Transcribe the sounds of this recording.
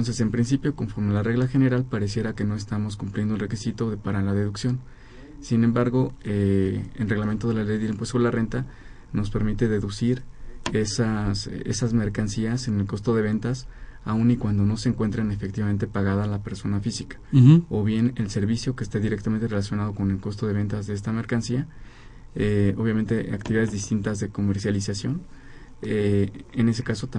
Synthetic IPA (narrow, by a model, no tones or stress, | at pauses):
onsese̞mpɾins̬ipjo̞ko̞ɱfo̞ɾmelare̞ɣlaxe̞ne̞ɾalpaɾe̞s̬je̞ɾake̞no̞e̞s̬t̪amo̞s̬kumpljend̪olre̞kisit̪o̞paɾalaðe̞ðuksjo̞n | sine̞mbaɾɣo̞eḛlre̞ɣlament̪o̞ð̞e̞lalejðelimpwest̪oelare̞nt̪a | no̞spe̞ɾmit̪e̞ðe̞ðusiɾesasḛsazme̞ɾkansiase̞ne̞lko̞st̪o̞ðe̞βe̞nt̪asaũnikwand̪o̞no̞seːŋkwe̞nt̪ɾene̞fe̞kt̪iβame̞nt̪e̞paɣaðalape̞ɾso̞nafisikḁo̞βje̞ne̞lse̞ɾβisjo̞keːst̪eðiɾekt̪ame̞nt̪e̞relas̬jo̞nað̞o̞ko̞ne̞lko̞st̪o̞ðe̞β̞e̞nt̪azðees̬t̪ame̞ɾkansia | eoβjament̪e̞ʔa̰kt̪iβiðaðe̞zðist̪int̪azðe̞ko̞me̞ɾsjalisasjo̞n | eene̞se̞kaso̞t̪a